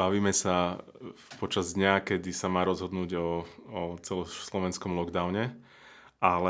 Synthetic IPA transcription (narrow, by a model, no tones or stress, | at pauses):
baʋiːmɛsa | pɔt͡ʃazd̪ɲakɛd̪isamaːɾɔzɦɔd̪nuːɟɔː | t͡sɛlɔslɔʋɛnskɔmlɔɡd̪aʊɲɛ | ʔalɛ